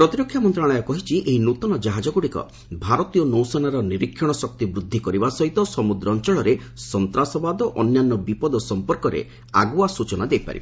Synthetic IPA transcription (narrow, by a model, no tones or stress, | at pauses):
pɾɔt̪iɾɔkʰːjamɔnt̪ɾaɽ̃ɔjɔkɔɦit͡ʃʰiʔeɦinut̪ɔnɔd͡ʒaɦad͡ʒɔɡuɽikɔ̰ | bʱaɾɔt̪ijɔnowsɔnaɾɔniɾikʰːjɔɽ̃ɔsɔk̚t̪ibɾud̪ʱːikɔɾibasɔɦit̪ɔsɔmud̪ɾɔːnt͡ʃɔɭɔɾesɔnt̪ɾasɔbad̪ɔʔɔnjanːɔbipɔd̪ɔsɔmpɔɾkɔɾḛ | a̰ɡuasut͡ʃɔnad̪ejpa̰ɾibe